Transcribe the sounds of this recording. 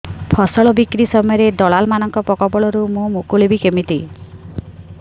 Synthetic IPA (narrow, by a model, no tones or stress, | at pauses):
pʰɔsɔɭɔbikɾisɔmɔjɔɾed̪ɔɭalmanɔŋkɔpɔkɔbɔɭɔɾumũmokuɭibikemit̪i